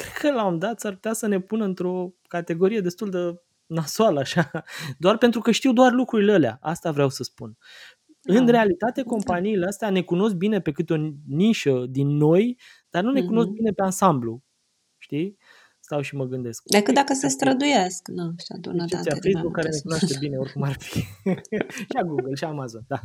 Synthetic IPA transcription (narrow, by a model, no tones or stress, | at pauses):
kɾe̞d̪kəlaomd̪at̪sarput̪ʲasənepunəɨnt̪ɾo̞kat̪e̞ɡo̞ɾije̞d̪e̞st̪uld̪e | nasoaləaʃad̪oarpe̞nt̪ɾukəʃt̪iwd̪oarlukɾuɾileəlea̰ʔast̪avɾeawsəspun | ɨnre̞alit̪at̪e̞ko̞mpaniːleast̪eane̞kuno̞s̬k̚bine̞pe̞kɨt̪o̞niʃəd̪inːo̞j | d̪̥arnune̞kuno̞sk̚bine̞peansamblu | ʃt̪ij | st̪awʃiməɡɨnd̪e̞sk̚d̪ekɨt̪d̪akəsəst̪ɾəd̪ujasknaʃa̰d̪ṵt͡ʃ̪iafejsbukːaɾe̞ne̞kunoaʃt̪ebine̞o̞rkumarfi̥ | ʃiaɡuɡəlʃiamazo̞nd̪a